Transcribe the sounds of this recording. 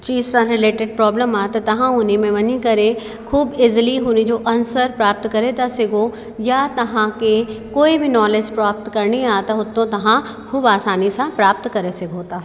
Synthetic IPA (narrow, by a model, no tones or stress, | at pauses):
t͡ʃiːzsãɾɪleːʈɪɖ̚pɾɔːbləmaːt̪at̪ɐɦãʊnimẽʋɐnĩkɐɾe | kʰuːbɪzliɦunid͡ʒoːʔɐnsəɾpɾaːp̚t̪kɐɾet̪asɪɡʱo | jat̪ɐɦãkekoːibʱinɔːled͡ʒpɾaːp̚t̪kɐɾniaːt̪aɦʊt̪õt̪ɐɦã | kʰuːbaːsaːnisãpɾaːp̚t̪kɐɾesɪɡʱõːt̪aː